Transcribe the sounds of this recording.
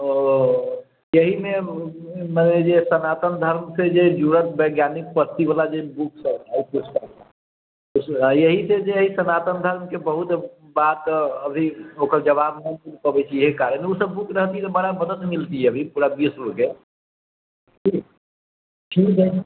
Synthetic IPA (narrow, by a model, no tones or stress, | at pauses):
jəɦime | məned͡ʒesənat̪ənd̪ʱəɾmsed͡ʒed͡ʒuɽət̪̚bəɪɡjanik̚pəɾt̪ibalad͡ʒebuksəbkakut͡ʃʰkət̪a | usjəɦised͡ʒeɦisənat̪ənd̪ʱəɾmkebəɦut̪ | bat̪əbʱiokəɾd͡ʒəβabɦəmt̪ulpəbɛt͡ʃʰijəɦikaɾəmeusəbːukɾəɦt̪iɦɛt̪obəɽabəd̪ət̪milt̪iɦɛəbʱipuɾabisɾoke | d͡ʒik | t͡ʃʰide